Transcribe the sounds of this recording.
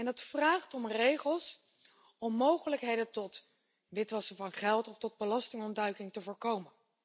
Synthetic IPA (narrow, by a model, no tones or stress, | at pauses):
ɛndɑtfraːχtɔmrejχəlˠs | ɔmːowχələkɦejdətɔt | ʋɪtʋɑsəvɑnχɛlˠtɔftɔd̚bəlɑstɪŋɔndœɥkɪŋtəvʊːɹkowmən